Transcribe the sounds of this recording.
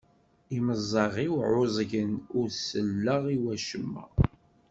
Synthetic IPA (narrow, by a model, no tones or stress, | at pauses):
iməzˤːɑʁiwʕʊzˤʝənʊɾsəlːəʁiwæʃəmːæ̰